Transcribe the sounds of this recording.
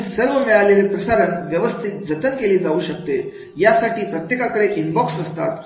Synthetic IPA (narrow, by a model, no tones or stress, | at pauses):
səɾʋəmiɭalelepɾəsaɾənʋjəʋəst̪ʰit̪̚d͡zət̪ənkeliːd͡zauːɕək̚t̪e | jasaʈiːpɾət̪jekakəɾeʔinbɔksəst̪at̪